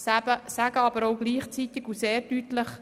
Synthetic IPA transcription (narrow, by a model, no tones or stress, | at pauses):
sæbəsæɡəɑbəɾowɡliːχt͡sit̪ɪɡuseːɾdyt̪ləχ